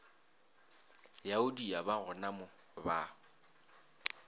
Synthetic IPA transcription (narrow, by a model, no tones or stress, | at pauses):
jaʊdiabaɣʊnamʊba